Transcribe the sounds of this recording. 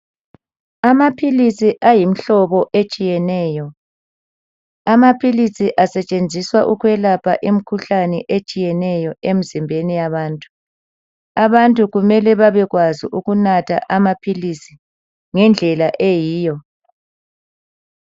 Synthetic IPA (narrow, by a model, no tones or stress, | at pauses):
amapʰilisiʔajim̩ɬɔβɔʔet͡ʃʼijɛnɛːjɔ | amapʰilisiʔasɛt͡ʃʼend͡zʱiswaʔuɣwɛlapʰaʔem̩kʰuɬanɛʔet͡ʃʼijɛnɛjɔem̩zimbʱenijaβaːntʼu̥ | aβantʼuɣumɛlɛβaβɛɣwazḭʔuɣunatʰa̰ʔamapʰilisi | ŋɛnd͡ɮʱɛlaʔejiːjɔ